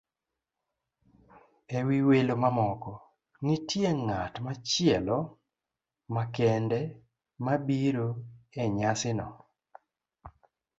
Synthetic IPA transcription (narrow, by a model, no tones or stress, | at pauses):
ɛwiwelomamɔkɔ | nitjeŋatmat͡ʃɪɛlɔ | makɛndɛ | mabiɾoɛɲasɪnɔ̰